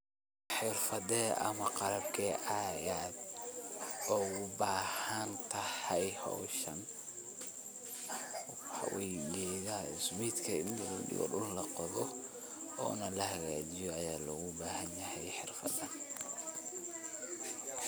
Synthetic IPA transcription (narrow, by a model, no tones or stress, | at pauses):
ħɪrfɐðɛʔɐmɐqɑɾɐbkʰɛʔaːjaːd̪ | ɔːʊbaːhɐnt̪ʰɐhɛjhɔ̰ːʃɐn | ɑ̰wɛjɡɛðaɪsmiːd̪kʰɐɪnd̪lɔɖɪ̰ɣɔ̰ɖʊllɐqɔðɔ | ɔ̰ːnɐlɐhɐɣa̰ːt͡ʃɪjɔːjaːlɔɣʊbaːhɐnjɐhɛjħɪrfɐðɐn